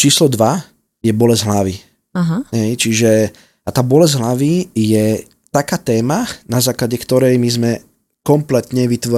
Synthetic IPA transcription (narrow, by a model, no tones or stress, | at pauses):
t͡ʃiːslɔd̪ʋa | jɛbɔlɛzɦlaʋi | aɦaɦɛjt͡ʃiʒɛ | at̪aːbɔlɛzɦlaʋijɛ | t̪akaːt̪ɛːmanazaːklaɟɛkt̪ɔɾɛjmizmɛ | kɔmplɛt̪ɲɛʋit̪ʋɔ